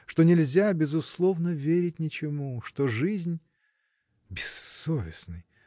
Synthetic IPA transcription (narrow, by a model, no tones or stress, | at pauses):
ʂt̪o̞nʲɪlʲzʲabʲɪzʊslˠo̞vnəvʲeɾʲɪt̚ʲnʲɪt͡ɕɪmuʂt̪oʐɨzʲnʲ | bʲɪsːovʲɪsnɨj